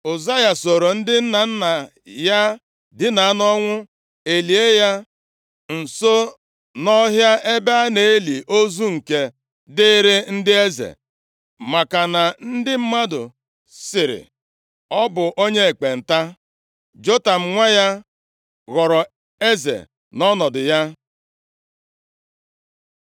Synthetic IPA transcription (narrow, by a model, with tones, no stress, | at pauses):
o˨za˦ja˨so˨ɾo˨n̩˦dɪ˦n̩˦na˨n̩˦na˨ | ja˦ | dɪ˦na˨a˦nɔ˦ŋʷʊ˦ | e˨li˨e˦ja˦ | n̩˨so˦ | nɔ˦ɦja˦ʔe˦ba˦ne˨e˦li˨ʔo˦zu˦ŋ̩˨ke˨ | dɪ˦ɾɪ˦n̩˦dɪ˦e˦zḛ˨ | ma˨ka˨na˨n̩˦dɪ˦m̩˦ma˦dʊ̰˨ | sɪ˨ɾɪ̰˨ | ɔ˦bʊ˨ʔo˦ɲe˦e˨k͡pe˨n̩˨ta˦ | d͡ʒo˦ta˨m̩˨˦ŋʷa˦ja˦ | ɣɔ˨ɾɔ˨ | e˦zḛ˨ | nɔ˦nɔ˨dʊ˨ja˦